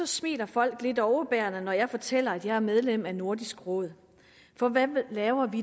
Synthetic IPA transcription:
ɒ̽smḛːd̥ɐfɒ̽l̰ɡ̥le̝d̥ɒʊəb̥æɐnənɒjɑ̈ɪfɒ̽t͡sʰel̰ɐæd̥jɑ̈ɪæɐmeð̞ˠlem̰æno̝ɐd̥isɡ̥ʁɔ̰̽ð̩̰ˠ | fɒ̽ʋælɛːʊɐʋi

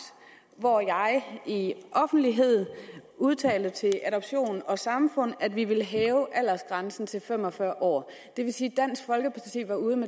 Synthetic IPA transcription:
ʋɒjɑ̈ɪiʔɒ̽fn̩d̥liɦe̝ð̞̰ˠuð̞ˠt͡sʰɛ̰ːld̥ət͡sʰe̝lʔæɾɒ̽b̥ɕo̝̰ːnnɒ̽sɑ̈mfɔ̽n̰æd̥ʋiʋe̝lɦɛːʊʔæl̰ɐsɡ̥ʁänsn̩t͡sʰe̝lfem̰ɒ̽fɶɐ̰ʔɒ̰ː | d̥e̝ʋe̝siːd̥æn̰sɡ̥fɒ̽lɡ̥əpʰɑ̥t͡sʰḭːʋɑ̈uːð̞ˠəme

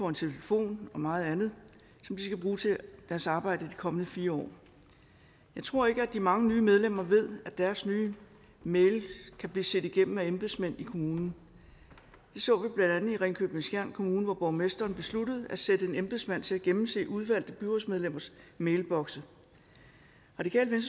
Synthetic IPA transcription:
fɒent͡sʰe̝ləfo̝̰ːnɒ̽mɑ̈ːð̞̩ˠænð̞̩ˠ | sɒ̽md̥isɡ̥æb̥ʁuːt͡sʰe̝d̥æɐsɑ̈ːb̥ɑ̈ɪ̰d̥əid̥ikʰɒ̽mənəfiːɐɒ̰ː | jɑ̈ɪt͡sʰʁo̝ɐ̰e̝ɡ̥əæd̥imɑ̈ŋənyːmeð̞ˠlem̰ɐʋe̝ð̞̰ˠæd̥æɐsnyː | meɪlkʰæb̥liːsed̥iɡ̥em̰m̩æemb̥e̝smen̰ikʰo̝muːnn̩ | d̥e̝sɔ̰̽ːʋib̥lænd̥ænð̩ˠiʁɛɪŋkʰøb̥n̩sɡ̥jæɐ̰nkʰo̝muːnəʋɒb̥ɒʊmesd̥ɐːnb̥e̝slud̥əð̩ˠæsed̥əe̝nemb̥e̝smæn̰t͡sʰe̝æɡ̥emm̩se̝̰ːʔuð̞ˠʋæl̰d̥əb̥yʁɔsmeðˠlem̰ɐsmeɪlb̥ɒ̽ɡ̥sə | ʁɑ̈d̥ikʰɛ̰ːlʋens

